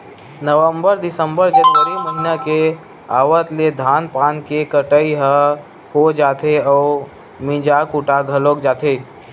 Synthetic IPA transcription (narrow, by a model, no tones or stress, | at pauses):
nəʋəmbəɾd̪ɪsə̃mbəɾd͡ʒəd̪bəɾiməɦinake | aːʋət̪led̪ʱaːnpaːnkekəʈəiɦə | hod͡ʒaːt̪eɔː | mĩd͡ʒakuʈaɡʱəloːkd͡ʒaːt̪eː